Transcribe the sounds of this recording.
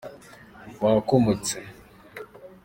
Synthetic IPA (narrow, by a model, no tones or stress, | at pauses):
wakomut͡se